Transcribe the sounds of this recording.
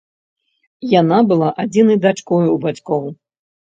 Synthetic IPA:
janabɨlˠaʔad͡zʲinɐjd̪at͡ʂkɔjuuwbat͡sʲkɔw

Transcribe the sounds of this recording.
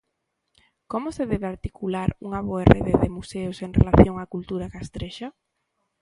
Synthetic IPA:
komʊseðeðaɾt̪ikulaɾṵŋaβoerḛðeðɪmuseʊseŋrḛlaθjoŋakult̪uɾakaest̪ɾeʃa

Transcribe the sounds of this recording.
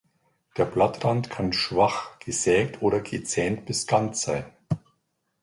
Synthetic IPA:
d̥eːɐblatʁantkʰanʃv̥aχɡ̥əzɛːk̚tʰʔoːɾɐɡət͡sɛːnt̚b̥ɪstʰantz̥aɪn

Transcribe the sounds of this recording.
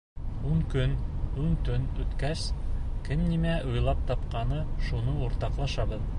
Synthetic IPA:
uɴkɵnuŋt̪ɵnɵ̆t̪kæskɘmnimæʔujlˠɑp̚t̪ɑpqɑnɤʃunɤuɾt̪ɑqlˠɑʃɑbɤð

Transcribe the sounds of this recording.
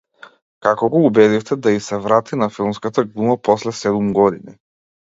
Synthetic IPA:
kakɔɡɔubɛd̪ift̪ɛd̪aisɛvɾat̪inafilˠmskat̪aɡlˠumapɔslɛsɛd̪umɡɔd̪ini

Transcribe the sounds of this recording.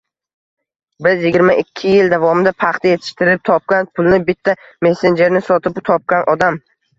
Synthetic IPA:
bɪzjɪɡʲɪɾmaʔɪkʲʰːɪjɪld̪avɒmɪd̪apʰɑχt̪ʰaje̞t̪ʰɪ̥ʃt̪ɪɾɪp̚t̪ʰɒp̚kʲanpʰʊlˠnɪbɪt̪ʰːa | me̞se̞nd͡ʒe̞ɾnɪsɒt̪ʰɪpt̪ʰɒp̚kʲanʔɒd̪am

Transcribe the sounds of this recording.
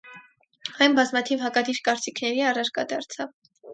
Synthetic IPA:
hɑjmbɑzmɑt̪ʰivɦɑkɑd̪iɾkɑɾt͡sikʰnɛɾiɑrɑɾkɑd̪ɑɾt͡sʰɑv

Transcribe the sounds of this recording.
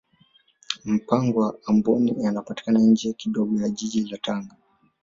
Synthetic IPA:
m̩paŋɡɔwaːmbɔnijanapati̥kanaɲd͡ʒɛkiɗɔɡɔjaʄiʄilataŋɡa

